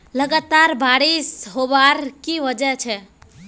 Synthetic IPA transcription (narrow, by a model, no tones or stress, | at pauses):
ləɡat̪aɾbaɾisɦobaɾkiʋəd͡ʒət͡ʃʰɛ